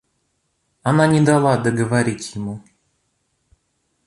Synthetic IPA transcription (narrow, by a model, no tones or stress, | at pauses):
ɐnanʲɪd̪alˠad̪əɡəvaɾʲitʲjɪmu